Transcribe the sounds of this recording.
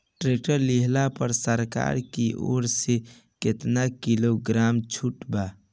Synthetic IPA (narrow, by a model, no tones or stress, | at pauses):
ʈɾek̚ʈəɾliɦlapəɾsəɾka̰ːɾkiʔo̰ːɾse | ket̪nakiloɡɾaːmt͡ʃʰuʈba